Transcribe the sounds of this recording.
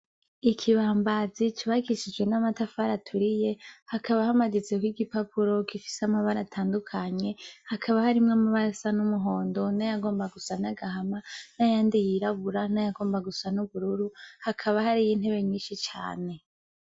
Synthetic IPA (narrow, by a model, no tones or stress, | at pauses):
ikʰiβaːmbazit͡ʃiβaɡiʃid͡ʒɡwe̞namatafaɾatʰuɾije̞hakʰaβahamaɡit͡se̞kwiɡipapʰuɾo̞kifi̥samaβaɾatʰaːndukʰaɲe̞hakʰaβahaɾimŋamaβaɾasanumuɦo̞ːndo̞najaɡo̞ːmbaɡusanaɡahamanajaːndijiɾaβuɾanajaɡo̞ːmbaɡusanuβuɾuɾuhakʰaβahaɾijin̥he̞βe̞ɲiːnʃit͡ʃa̰ːne̞